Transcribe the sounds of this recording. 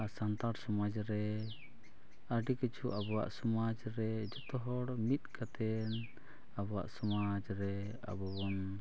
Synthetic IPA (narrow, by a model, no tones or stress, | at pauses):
asant̪aɽsɔmad͡ʒɾɛ | əɖikit͡ʃʰuʔabɔwa̰ʔsɔmad͡ʒɾɛd͡ʒɔt̪ɔɦɔɽmit̪̚kat̪ɛn | abɔwa̰ʔsɔmad͡ʒɾɛ | a̰bɔbɔn